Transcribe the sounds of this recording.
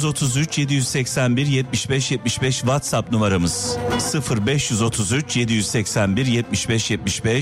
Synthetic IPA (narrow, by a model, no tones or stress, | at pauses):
zo̞t̪ʰuzyt͡ʃje̞d̪ijyzsɛcsænbiɾjɛt̪̚miʃbɛʃjɛt̪̚miʃbɛʃvat̪sapnumaɾamɯz̥sɯfɯɾbɛʃjyzo̞t̪ʰuzyt͡ʃje̞d̪ijyzsɛcsænbiɾjɛt̪̚miʃbɛʃjɛt̪̚miʃbɛʃ